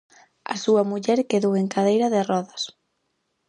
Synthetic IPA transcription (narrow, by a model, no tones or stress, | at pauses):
a̰suɐmuʎɛɾkeðoweŋkaðejɾɐðɪrɔðɐs